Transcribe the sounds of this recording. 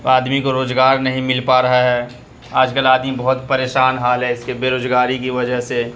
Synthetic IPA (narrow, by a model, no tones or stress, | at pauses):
aːd̪mikoɾoːzɡaːɾnɐɦĩmɪlpaːɾɐɦaɦɛː | aːd͡ʒkəlaːd̪mibɐɦʊt̪pɐɾeːʃaːnɦaːlɦɛɪskebeːɾoːzɡaːɾikiʋɐd͡ʒəɦse